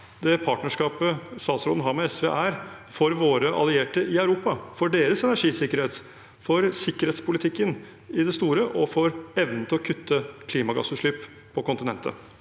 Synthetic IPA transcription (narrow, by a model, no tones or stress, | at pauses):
d̪ɛpʰɑːʈnəʂkɑːpəst̪ɑːsɾɔn̩ɦɑːɾmɛɛsʋɛ̰ʔæɾfɔɾʋoːɾəʔɑ̰lɪeːʈəʔɪœʉɾuːpɑfɔɖeːɾəsɛnæʂiːsɪkəɾheːt̪ | fɔɾsɪkːəɾeːt̪spʊlɪt̪ʰɪkːən | ɪd̪ɛst̪uːɾəʔɔfɔɾɛʋnənt̪ʰɪlɔkʰʉt̪ʰːəkʰliːmɑɡɑ̰sʉʂɭyːpʰː | ɔkʊnt̪ɪnɛ̰nt̪ə̰